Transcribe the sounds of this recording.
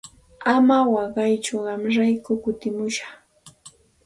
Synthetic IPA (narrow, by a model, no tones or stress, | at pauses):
amawɑɢɑjt͡ʃʊɢɑmɾajkʊkʊt̪ɪmʊʃɑ̥χ